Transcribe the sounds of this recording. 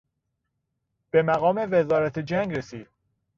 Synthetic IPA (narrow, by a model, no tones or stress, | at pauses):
b̥e̞mæɣɒːme̞ve̞zɒːɾæt̪ʰed͡ʒæŋɡɾesiːd̪̥̚